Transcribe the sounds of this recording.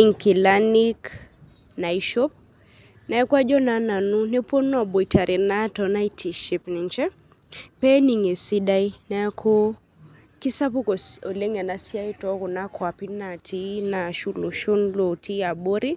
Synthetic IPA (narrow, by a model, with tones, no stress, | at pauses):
i˨ŋki˨la˦ni˦k | na˨iʃɔ˦p̚ | na˨ɛ˦kwa˦d͡ʒɔ˦na˨na˨nu˦nɛ˦po˦nɔ˦˨ɓɔ˨i˨ta˨ɾʔi˨na˦tɔ˨na˦i˦tʰi˨ʃi˨pni˨nt͡ʃɛ˦ | pɛ˦ni˨ŋe˨si˦da˦i˦na˨˦kʰɔ˦ | ki˦sa˦pu˦kɔ˨ɔ˨le˦ŋa˨na˦si˦a˦i˦tɔ˦kɔ˨na˦kʰwa˨pi˦na˨tʰi˦na˨ʃu˦lo˨ʃo˦nlo˨ti˦a˨ɓo˦ɾi˦